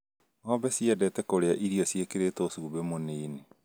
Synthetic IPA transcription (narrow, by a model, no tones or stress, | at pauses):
hɔbɛsiɛdɛtɛkoɾeaʔiɾiɔsiekeɾetosuːbemoneine